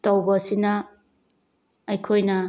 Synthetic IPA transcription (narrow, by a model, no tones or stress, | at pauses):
tɐwbɐsinɐ | jkʰojnɐ